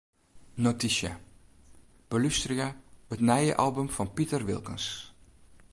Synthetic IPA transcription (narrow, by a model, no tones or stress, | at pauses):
notiʃja | b̥olystriaətnɛjəʔɑlˠbəmfɔnpitərʋɪlˠkəns